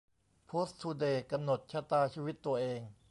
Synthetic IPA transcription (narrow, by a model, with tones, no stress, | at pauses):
pʰoː˦˥st̪ʰuː˧deː˨˧˩ka˧mno˨˩t̪̚t͡ɕʰa˧˥t̪aː˧t͡ɕʰiː˧wi˦˥t̪ːu˧ɐʔeː˧ŋ